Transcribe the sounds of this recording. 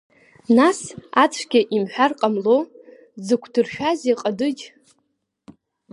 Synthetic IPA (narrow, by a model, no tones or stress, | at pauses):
nasat͡sʷʰɡʲaʔimħʷᶣarqʼamlo | zɨkʷʰdɨrʃᶣazeqʼadɨd͡ʒʲ